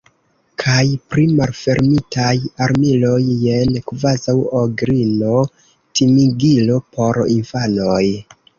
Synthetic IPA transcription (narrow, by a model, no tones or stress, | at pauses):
kʰajpɾimalfe̞ɾmitajaɾmilo̞je̞nkvazawoɡɾino̞ | timiɡilo̞pʰo̞ɾinfano̞j